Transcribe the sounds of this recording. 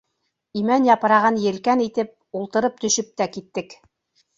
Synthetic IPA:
imænjɑpɤ̆ɾɑʁɑnjɘ̆lkænit̪ɘp̚ulˠt̪ɤ̆ɾɤp̚t̪ɵ̆ʃɵp̚t̪ækit̪ːɘk

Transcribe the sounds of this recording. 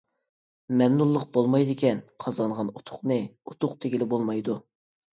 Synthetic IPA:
mɛmnulˠːəq̚bolˠmɑjd̪ɪkʲɛnqʰɑzɑɴʁɑnut̪ʰʊ̥χnɨut̪ʰʊqt̪ʰeɡʲilɪbolˠmɑjd̪u

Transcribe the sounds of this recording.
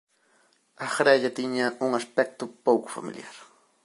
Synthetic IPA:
aχɾaʎat̪ɪɲaʊŋaspek̚t̪ʊpawkʊ̥fa̰mɪ̰ljaɾ

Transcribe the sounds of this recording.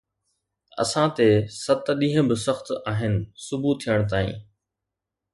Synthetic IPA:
ɐ̰sãt̪esət̪ɗĩːɦə̃bɪsəxt̪aːɦɪnɪ̆sʊbut̪ʰːijəɽ̃t̪aːḭ̃ː

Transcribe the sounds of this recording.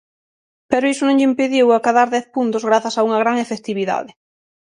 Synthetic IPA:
pɛɾʊisʊnõŋʎɪimpeðjiwakaðaɾðɛθpunt̪ʊzɣɾaθɐsauŋɐɣ̞ɾaŋefekt̪iβiða̰ðɪ

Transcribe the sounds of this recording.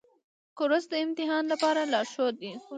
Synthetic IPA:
kʊɾʊsd̪əɪmt̪ɪɦɑnlapɑɾalɑʃod̪i

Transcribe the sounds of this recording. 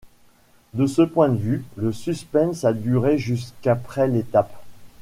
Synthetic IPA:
d̪əsəpwɛ̃d̪əvyləsyspɛ̃nsad̪yʁeʒys̬kapχɛlet̪ap

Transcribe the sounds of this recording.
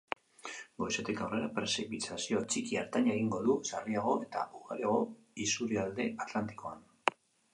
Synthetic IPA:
ɡo̞jset̪ekawre̞ɾapɾe̞sipit͡sasio̞t͡ʃikia̰ɾt̪aɲaɣ̞iŋɡo̞ðusariaɣ̞o̞e̞t̪a̰uɣa̰ɾiaɣ̞o̞ | isuɾiald̪e̞at̪lant̪i̥ko̞an

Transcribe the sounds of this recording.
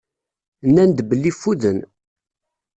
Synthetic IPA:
nːænd̪bəlːifːuðən

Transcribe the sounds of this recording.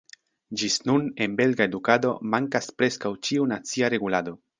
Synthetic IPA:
d͡ʒisnune̞nbe̞lɡae̞dukado̞maŋkaspɾe̞skawt͡ʃiunat͡siaɾe̞ɡulado̞

